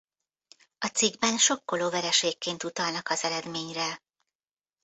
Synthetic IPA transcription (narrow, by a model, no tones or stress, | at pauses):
ɒt̪siɡbɛnʃo̞kːo̞loːvɛɾɛʃeːkːeːnt̪ut̪ɒlnɒkɒzɛɾɛd̪meːɲrɛ